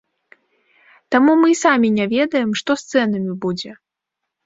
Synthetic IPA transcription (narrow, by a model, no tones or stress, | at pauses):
t̪amumɨsamʲinʲavʲɛd̪ɐjɛmʂt̪ɔst̪sɛnɐmʲibud͡zʲɛ